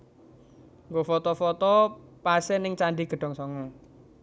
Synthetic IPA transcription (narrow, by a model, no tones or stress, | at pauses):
ŋɡofɔt̪ɔfɔt̪ɔpasɛnɪŋt͡ʃaɳɖiɡ̥ə̤ɖ̥ɔ̤ŋsɔŋɔ